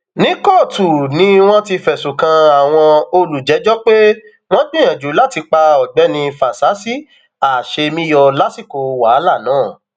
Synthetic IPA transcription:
nĩ˦kɔ˦˨tu˨nĩ˧˦w̃ɔ̃˦ti˧fɛ˨su˨kã˧a˨w̃ɔ̃˧o˧lu˨d͡ʒɛ˨˦d͡ʒɔ˦k͡pe˦ | w̃ɔ̃˦ɡ͡bĩ˦j̃ã˨d͡ʒu˨˦la˦ti˧k͡pa˧ɔ˨ɡ͡bɛ˨˦nĩ˧fa˨sa˨˦si˦ | a˨ʃe˧mĩ˦jɔ˧la˦si˦˨ko˨wa˨˦la˦˨nãː˨˦˨

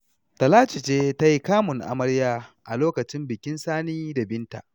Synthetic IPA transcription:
tɐ˨laː˦t͡ʃɪ˨t͡ʃeː˦ta˦ji˦kaː˦mʊ˨ŋʔa̰˨mɐ˦ɽjaː˦ʔa˨loː˦kɐ˨t͡ʃɪ˦mbɪ˨kʲɪ˦nsaː˦niː˦da˨bɪ˦nta̰˨ʔ

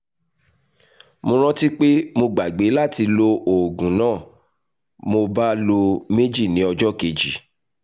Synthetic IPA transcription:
mõ˧ɾ̃ã˦ti˦k͡pe˦mo˧ɡ͡ba˨ɡ͡be˨˦la˦˨ti˧lo˧o˨ɡũ˨˦nãː˦˨ | mo˧ba˦lo˧me˦d͡ʒi˦˨nĩ˨˦ɔ˧d͡ʒɔ˦ke˧˨d͡ʒi˨˦

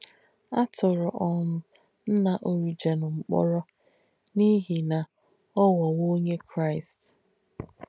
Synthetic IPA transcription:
a˦tʰʊ˨ɾʊ˨ʔɔ˦mʊ˦ | n̩˦na˨ʔo˨ɾi˦d͡ʒe˨nʊ˨ŋ͡m̩˨k͡pɔ̰˦ɾɔ˦ | ni˦ɦi˨na˨ | ɔ˦wɔ˨wo˦ɲe˦kʰɾa˦ɪ˨st

